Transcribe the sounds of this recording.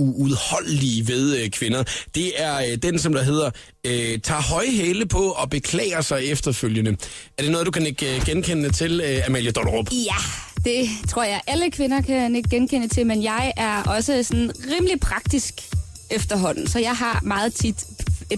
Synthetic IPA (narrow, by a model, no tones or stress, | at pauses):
uuðˠhɒ̽l̰liʋe̝ð̞ˠkʰʋe̝nɐd̥e̝æɐd̥ensɒ̽md̥ɑɦe̝ð̰ˠɐ | øt͡sʰɑ̈ɦɒ̽ɪɦeːləpʰɒ̽ɒ̽b̥e̝kʰlɛ̰ːɪɐsɑ̈ɪefd̥ɐføljənəæɐd̥e̝nɔ̽ːð̞̩ˠdukʰæneɡ̥ɡ̥enkʰenət͡sʰe̝læmel̰jəd̥ɒnʁob̥jæd̥e̝t͡sʰʁoɐ̰jɑ̈ɪʔæləkʰʋe̝nɐkʰæneɡ̥̚ːenkʰenət͡sʰe̝menjɑ̈ɪʔæɐʔɒ̽səsɔ̽nn̩ʁiːmlipʰʁɑ̈ɡ̥̚d̥isɡ̥ | efd̥ɐɦɒ̽n̰n̩sɒ̽jɑ̈ɪɦɑ̈mɑ̈ːð̩ˠt͡sʰid̥